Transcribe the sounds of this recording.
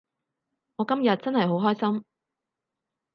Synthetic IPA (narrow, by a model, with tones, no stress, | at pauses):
ŋɔː˨˧kɐ˥mjɐ˨t̚t͡sɐ˥nhɐ˨jɦo˨˥wɦɔː˥jsɐ˥m